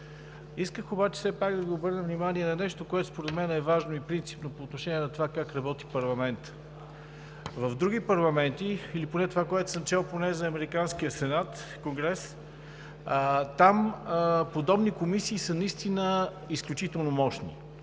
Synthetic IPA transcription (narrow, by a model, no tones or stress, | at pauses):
iskəxobat͡ʃɛ̥sɛpaɡd̪ɐɡiobɤɾnəvnimaniɛnɐnɛʃt̪okoɛt̪ʊ̥spoɾɛt̪mɛnɛvaʒnoipɾint̪si̥pnopoːt̪noʃɛniɛnɐt̪ovakakɾɐbɔt̪i̥pɐɾlˠɐmɛnt̪ə̥ | vəvd̪ɾuɡipɐɾlˠɐmɛnt̪iiliponɛt̪ovakoɛt̪o̥səmt͡ʃɛlˠponɛzɐːmɛɾikanskiəsɛnat̪koŋɡɾɛs | t̪ampod̪ɔbnikomisiːsənɐist̪inə | isklʲut͡ʃit̪ɛlˠnomɔʃnḭ